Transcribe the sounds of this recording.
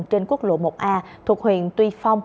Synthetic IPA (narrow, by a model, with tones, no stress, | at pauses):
ŋt͡ɕe˧nku˦˥ək̚lo̰˧˨mo˨˩k͡p̚ʔaː˧t̪ʰə˨˩k̚hwḭ˧˨ənt̪wi˧fa˧wŋ͡m